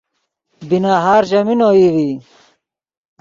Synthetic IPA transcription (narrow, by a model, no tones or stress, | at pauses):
binaːɦaːɾʑɐminoːiːwi